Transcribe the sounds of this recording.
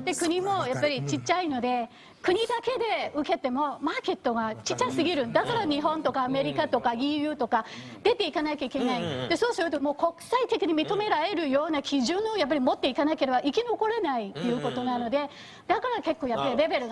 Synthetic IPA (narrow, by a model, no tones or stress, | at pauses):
d̪̥e̞kɯ̟ɲ̟imo̞japːaɾʲit͡ɕit͡ɕːaino̞d̪e̞ | kɯ̟ɲ̟id̪ake̞d̪e̞ɯ̟ke̞t̪e̞mo̞maːke̞t̪ːo̞ɡat͡ɕit͡ɕːaisɨɡʲiɾɯ̟̃nd̪akaɾaɲ̟iɦõ̞nt̪o̞kaːme̞ɾʲikat̪o̞kaɡʲijɯ̟ːt̪o̞ka | d̪e̞t̪e̞ikanaikʲaike̞naid̪̥e̞so̞ːsɨɾɯ̟t̪omo̞ːko̞kɯ̥sait̪e̞kʲiɲ̟imʲit̪o̞me̞ɾaɾe̞ɾɯ̟jo̞ːnakʲiʑɨ̃no̞jap̬ːaɾʲimo̞t̪ːe̞ikanaike̞ɾe̞baʔikʲino̞ko̞ɾenait̪ːe̞jɯ̟ko̞t̪o̞nano̞d̪e̞ | d̪̥akaɾake̞kːo̞ːjapːaɾʲiɾe̞be̞ɾɯ̟ɡ